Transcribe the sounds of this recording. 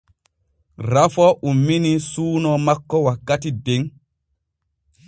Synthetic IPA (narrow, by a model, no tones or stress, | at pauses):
ɾafɔʔumːinisuːnɔmakːɔwakːatideŋ